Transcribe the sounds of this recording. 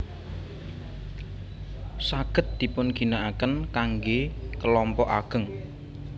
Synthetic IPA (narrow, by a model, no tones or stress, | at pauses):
saɡ̥ə̤t̪̚d̪̥i̤pʊnɡ̥i̤naʔakənkaŋɡekəlɔmpɔʔa̰ɡ̥əŋ